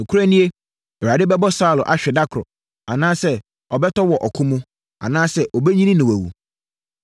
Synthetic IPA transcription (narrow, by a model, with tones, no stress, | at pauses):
ñ̩˨kʰu˦ɾæ˦nĩ˦e˦ | ɛ˨wɾa˨dɪ˦bɛ˦bɔ˦saː˦˨lɔ˨ʔa˨ɕᶣɛ˨da˦kʰɾɔ̰˨ | a˨nãː˦sɛ˦ | ɔ˨bɛ˦tʰɔ˦wɔ˨ʔɔ˨kʰʊ̃˦mũ˦ | a̰˨nãː˦sɛ˦ʔɔ˨bɛ˦ɲĩ˦nĩ˦nɪ̃˨wæ˨wṵ˨